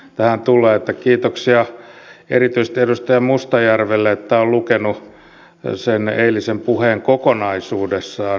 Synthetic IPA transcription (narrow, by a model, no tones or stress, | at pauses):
t̪æhænt̪ulˑeːet̪ːækiːt̪oksiɑḛrit̪yist̪iedust̪ɑjɑmust̪ɑjærʋelːeet̪ːæollukenu | seneilisempuheːŋkokonɑisuːdesːɑː